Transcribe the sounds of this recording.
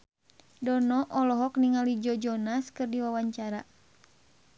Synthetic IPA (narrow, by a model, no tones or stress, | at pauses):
dɔnɔʔɔlɔɦɔkniŋalid͡ʒɔd͡ʒɔnaskɨrdiwawaɲt͡ʃaɾa